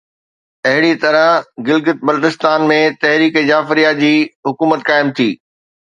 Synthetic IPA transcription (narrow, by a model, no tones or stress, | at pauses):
ɐɦɪɽit̪ɐɾəɦɡɪlɡɪt̪̚bɐlʈ̪ɪst̪aːnmẽt̪ɐɦɾiːkezaːfɾijad͡ʑiːɦʊkuːmət̪kaːɪmt̪ʰiː